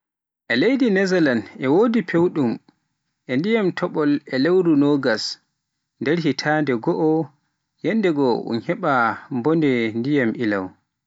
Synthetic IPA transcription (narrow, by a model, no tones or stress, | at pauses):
ʔɛlejdinɛzɛlanʔɛwoːdipʰewɗum | ʔɛndijamtʰɔɓɔlɛlewɾunɔːɡas | ndɛɾhitʰaːndɛɡɔʔɔ | jɛndɛɡɔṵnhɛɓambɔndɛndijamʔila̰w